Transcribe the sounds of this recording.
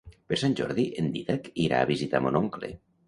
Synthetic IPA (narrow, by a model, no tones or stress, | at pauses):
peɾsanʲʒɔ̰ɾðiʔend̪iðakiɾa̰ːβizit̪a̰monoŋklḛ